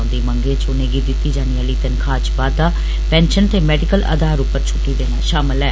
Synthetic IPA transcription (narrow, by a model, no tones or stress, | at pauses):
nd̪iːmə̃ŋɡeːt͡ʃʊneːɡid̪ɪt̪ːiːd͡ʒaːniəliːt̪ənkʰaːt͡ʃbaːaː | pɛ̃ːnʃənt̪eːmɛːɖɪkəlʔə̰d̪aːɾʊpːəɾt͡ʃʰʊʈːiːd̪ẽːɦãʃaːmɪlɛː